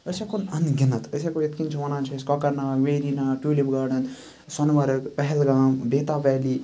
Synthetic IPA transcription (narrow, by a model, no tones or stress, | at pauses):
əsakonɐnɡʲɪnɐt̪əs̬akojet̪kint͡ʃʰiʋɐnaːnt͡ʃʰieskɔkɐɾnaːʋeːɾiːnaːʈjuːlibɡaːɾnɐt̪ | sɐnʋɐɾɐkpɐɦɛlɡaːmbeːt̪aːʋɛːliː